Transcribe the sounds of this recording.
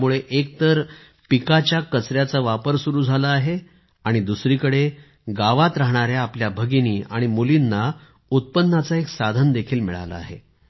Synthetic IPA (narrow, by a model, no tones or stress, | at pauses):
muɭeʔek̚t̪əɾ | pikat͡ɕjakət͡sɾjat͡saʋapəɾsuɾuːd͡zʱalaːɦe | aɽ̃id̪usɾiːkəɽe | ɡaʋat̪ɾaɦɳ̃aɾjaːpljabʱəɡiniːaɽ̃imulinːa | ut̪̚pənːat͡saeksad̪ʱənd̪ekʰiːlmiɭa̰la̰a̰ɦḛ